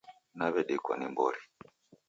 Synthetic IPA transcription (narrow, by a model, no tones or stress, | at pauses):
naβɛɗɛkwa̰nimbɔɾi